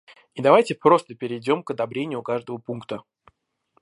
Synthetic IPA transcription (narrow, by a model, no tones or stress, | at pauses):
id̪ɐvajtʲɪpɾo̞st̪əpʲɪɾʲɪdʲo̞mkəd̪ɐbɾʲenʲɪjʊkaʐd̪əvəpunkt̪ə